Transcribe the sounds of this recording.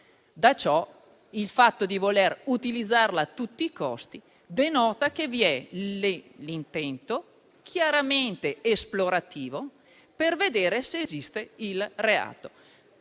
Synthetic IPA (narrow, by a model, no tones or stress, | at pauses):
d̪at͡ʃɔ | ilfat̪ːod̪ivolerut̪ilid̪zːarlaːt̪ːut̪ːiːkɔst̪i | d̪enɔːt̪akeviɛ | lint̪ɛnt̪o | kʰjaɾament̪eesploɾat̪iːvo | perved̪eːɾeseːzist̪eilrea̰ːt̪o